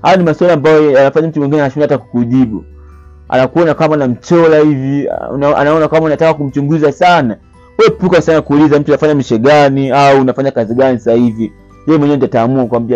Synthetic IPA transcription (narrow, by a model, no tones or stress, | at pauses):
hajɔnimaswalambajɔjanafaɲam̩tumwiŋɡinɛanaʃunaataku̥kuʄiɓu | a̰nakuɔnakamaːnam̩t͡ʃɔlahivḭnaʔa̰naɔnakamanatakakum̩t͡ʃuŋɡuzasana | wɛɛpukasanakuːlizam̩tuanafaɲamiʃɛɡaniaunafaɲakaziɡanisahivi | jɛjɛmwɛɲɛndataːmuakkwambia